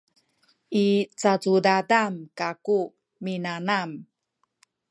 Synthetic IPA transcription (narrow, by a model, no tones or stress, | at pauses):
it͡sat͡sudadamkaku | minanam